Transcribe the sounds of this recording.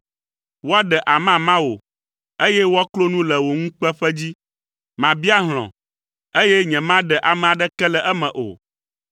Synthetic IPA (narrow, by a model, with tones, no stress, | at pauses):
wo˦a˦ɖɛ˨ʔa˨mã˨mã˦wo˨ | e˦jɛ˦wo˦a˦klo˦nũ˦lɛ˨wo˨ŋũ˦k͡pɛ˦ɸɛ˦d͡ʑi˦ | mã˨bi˦a˦ɦl̃ɔ̰̃˨ | e˦jɛ˦ɲɛ̃˨mã˦ɖɛ˨ʔa˨mɛ̃˨a˨ɖɛ˦kɛ˦lɛ˨ʔɛ˦mɛ̃˨ʔo̰˨